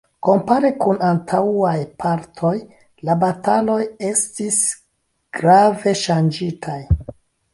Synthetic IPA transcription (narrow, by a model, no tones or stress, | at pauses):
ko̞mpaɾekunantʰauajpʰaɾtʰo̞j | labatʰalo̞je̞stis | ɡ̥ɾave̞ʃand͡ʒitʰaj